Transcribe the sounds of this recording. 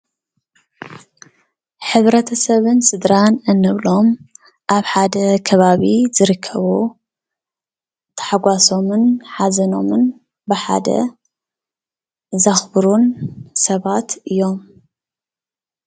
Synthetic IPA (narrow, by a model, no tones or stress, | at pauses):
ħɨβɾɐt̪ʰɐsɐβɨnsɨd̪ɾanɨnːɨβlo̞m | ʔaβħad̪ɐkʰɐβaβizɨɾɨkʰːɐβu | t̪ʰɐ̥ħaɡʷaso̞mɨnħazɐno̞mɨn | bɨħa̰d̪ɐ̰ | zɐxbɨɾunsɐβat̪ʔɨjːo̞m